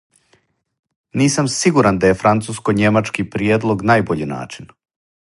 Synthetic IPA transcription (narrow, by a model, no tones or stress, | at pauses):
niːsamsiɡuɾand̪aje̞fɾant̪suːskoɲe̞mat͡ʃkipɾjeːd̪lˠo̞ɡnajboʎina̰ːt͡ʃin